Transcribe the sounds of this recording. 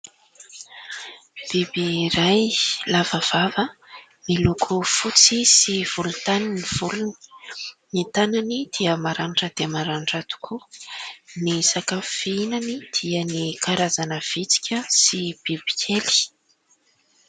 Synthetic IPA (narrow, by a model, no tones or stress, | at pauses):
b̥ibiɾajlavəv̥avə | milukʰufut͡sisiv̥ulut̪aniniv̥uluni̥nit̪ananid̪̥iəmaɾaɳʈ͡ʂəd̪̥emaɾaɳɖ͡ʐat̪u̥kʰu | nisakafinanid̪̥iənikʰaɾazanəv̥it͡si̥kʲəsib̥ib̥i̥kʲʰeli̥